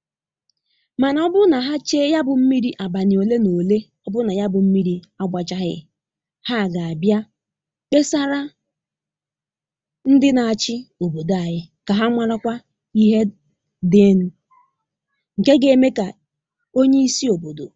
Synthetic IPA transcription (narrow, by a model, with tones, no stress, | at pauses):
ma˨na˨ɔ˦bʊ˦na˨ɦa˦t͡ʃe˦ja˦bʊ˨m̩˦mi˦ɾi˦ʔa˨ba˨nɪ˨o˨le˦no˨le˦ | ɔ˦bʊ˦na˨ja˦bʊ˨m̩˦mi˦ɾi˦ | a˨ɡ͡bʷa˨t͡ʃa˦ɦɪ̰˦ | ha˦˨ɡa˨a˨bja˦ | be˦sa˦ɾa˦ | n̩˦dɪ˦na˨a˨t͡ʃɪ˦o˨bo˨do˨a˨ɦɪ˦ka˨ɦa˦ŋʷa˦ɾa˦kʷa˦ | i˦ɦe˦ | dɪ˦n̩˦ | ŋ̩˨ke˦ɡe˨e˦˨me˦ka˨ | o˦ɲe˦i˦si˦o˨bo˨do̰˨